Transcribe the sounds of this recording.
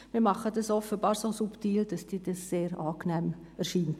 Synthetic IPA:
mɪɾmɑχədɑsɔfəbɑːɾsosuptiːld̥ɑsd̥iːd̥ɑsːeːɾɑːknɛːm | ɛɾʃiːnt

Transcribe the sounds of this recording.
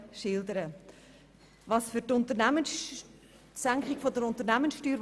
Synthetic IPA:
ʃɪldəɾə | vɑsfʏɾtʊntəɾnæmən | sæŋkχɪɡ̥fodəɾʊntəɾnæmənsʃtyːɾ

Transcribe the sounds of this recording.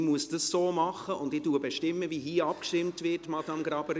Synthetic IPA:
muəsd̥əsːoːmɑχəʔʊndɪtuːəbɛʃtɪmːəviɦiːɑp̚kʃtɪmtvɪtmɑd̥ɑmɡɾɑbəɾ

